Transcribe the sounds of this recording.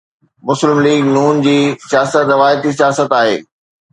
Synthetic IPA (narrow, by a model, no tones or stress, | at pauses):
mʊslɪmliːɡnuːnd͡ʑiːsijaːsət̪ɾɐʋaːjət̪isijaːsət̪aːɦḛː